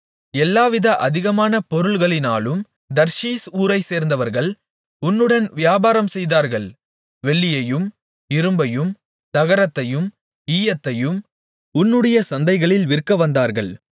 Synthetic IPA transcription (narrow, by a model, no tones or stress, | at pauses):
ɛlːaːʋɪðɐʔɐðɪɣɐmaːnɐpɔɾɯɭɣɐɭɪnaːlɯm | d̪ɐɾʂiːsuːɾɐɪseːɾnd̪ɐʋɐɾɣɐɭ | ʊnːɯɽɐnʋɪjaːbaːɾɐmsɛjðaːɾɣɐɭ | ʋɛɭːɪjɐjɯm | ɪɾɯmbɐjɯm | t̪ɐɣɐɾɐt̪ːɐjɯm | iːjɐt̪ːɐjɯm | ʊnːɯɽɐjɐsɐnd̪ɐɪɣɐɭɪlʋɪɾkːɐʋɐnd̪aːɾɣɐɭ